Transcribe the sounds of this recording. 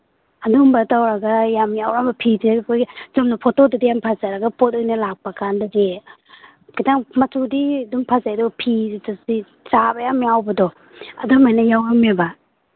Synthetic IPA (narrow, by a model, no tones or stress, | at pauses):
adumbatawɾaɡajamawɾambapʰidɯkʰojzɔmnapʰɔtodɯdijampʰazaɾaɡapʰɔt̚ɯjnalak̚pakʰandaɡe | kitaŋmatudiduŋpʰazajdɔpʰitasi | sabajamiawbadɔ | a̰dɔmajnajawameba